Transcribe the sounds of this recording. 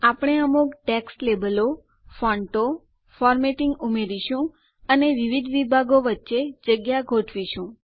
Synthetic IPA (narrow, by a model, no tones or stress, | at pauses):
apɽ̃eəmukʈɛksʈlebəlo | fɔɳʈo | fɔɾmeʈiŋɡumeɾiʃũ | əneʋiʋid̪ʱʋibʱaɡoʋətːʃed͡ʒəɡjaɡʱoʈʰʋiʃũ